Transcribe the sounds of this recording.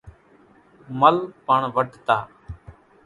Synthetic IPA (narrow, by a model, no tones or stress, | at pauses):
məlpəɳʋəɖʱt̪aː